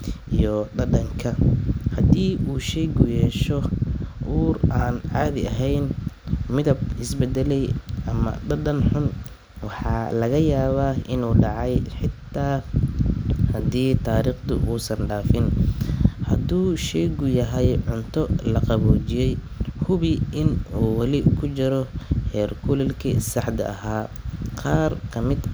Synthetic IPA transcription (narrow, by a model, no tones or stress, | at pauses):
ijɔdɐdɐŋkʰɐhɐd̪iːuːʃɛjɡʊjɛːʃɔʔuːraːnʕɑːðɪɐɦɛjnmɪðɐbɪsbɛd̪ɛlɛjʔɐmɐ̰ɖɐdɐnħʊn | wɑħɑ̰ːlɐɣɐjaːβaːɪnuːɖɑʕɑjħɪt̪ʰːaː | hɐd̪iːt̪ʰaːɾiːχt̪ʰʊ̰uːsɐnɖaːfɪn | hɐd̪uːʃɛɣʊjɐɦɛjʕʊnt̪ʰɔlɐqɑβɔːt͡ʃɪjɛj | hʊβɪɪnuːwɑlɪkʰʊt͡ʃɪɾɔhɛːrkʰʊlɛlkʰḭsɑħd̪ɐ̰ɐɦaːqɑːrkʰɐmɪd̪